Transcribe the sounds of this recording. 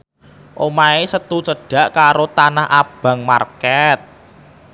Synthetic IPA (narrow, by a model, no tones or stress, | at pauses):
ʔomaesət̪ut͡ʃəɖ̥ä̤ʔkaɾot̪anaɦʔab̥ä̤ŋma̰rkɛt̪̚